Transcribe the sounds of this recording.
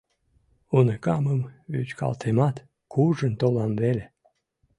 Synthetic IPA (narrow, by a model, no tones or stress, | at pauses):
unekɑməmβy̰t͡ɕkɑ̰lt̪ʰemɑt̪ | kʰuʒənt̪olɑmvele